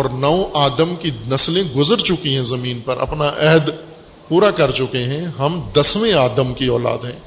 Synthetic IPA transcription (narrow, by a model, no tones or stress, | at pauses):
ɔːɾnɐoʔaːd̪əmkinɐslẽɡʊzəɾt͡ʃʊkiɦɛ̃zɐmiːnpɐɾʔɐ̰pnaʔɛɦd̪ | puːɾakɐɾt͡ʃʊkeɦɛ̃ɦɐmd̪ɐswẽaːd̪əmkiɔːla̰ːd̪ɦɛ̃ː